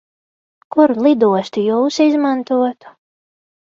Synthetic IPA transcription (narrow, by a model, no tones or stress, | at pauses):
kuɾlˠid̪uɔst̪ijuːsizmant̪uɔt̪u̥